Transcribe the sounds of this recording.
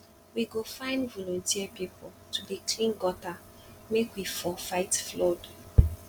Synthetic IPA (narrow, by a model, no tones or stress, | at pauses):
wiɡofãɪ̃ndvɔlɔ̃ntʰiəpipɔl | tʰudikʰlĩnɡɔta | mekwifɔfaɪtflod